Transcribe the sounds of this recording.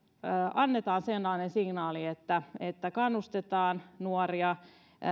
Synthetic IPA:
ʔɑnːet̪ɑːnsenlːɑːnensiŋnɑːliet̪ːæet̪ːækɑnːust̪et̪ɑːnnuoriɑ

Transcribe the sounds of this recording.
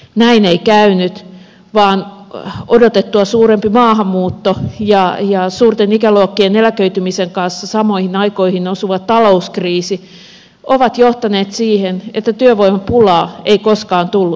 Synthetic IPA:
næineikæynyt̪ | ʋɑːnodot̪et̪ːuɑsuːrempimɑːhɑmːuːt̪ːojɑjɑsuːrt̪enikæluokːienelækøyt̪ymiseŋkɑnsːɑsɑmoihinɑikoihinosuʋɑt̪tɑlouskriːsi | oʋɑt̪joht̪ɑneːt̪siːhenet̪ːæt̪yøʋoimɑpulɑːeikoskɑːnt̪ulːu

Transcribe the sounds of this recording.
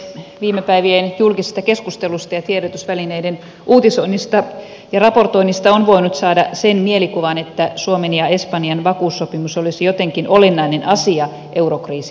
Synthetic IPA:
ʋiːmːepæiʋienjulkisi̥st̪ɑkeskust̪elust̪ɑjɑt̪ieɾot̪ysʋælineiden | ʔuːt̪isoinːist̪ɑ | jɑrɑpo̞rt̪o̞inːist̪ɑonʋoinut̪sɑːdɑsenmielikuʋɑnet̪ːæsuomenjɑe̞spɑnjɑnʋɑkuːsːopimusolisijot̪eŋkinolenːɑinenʔɑsiɑ | ʔewɾokriːsi̥

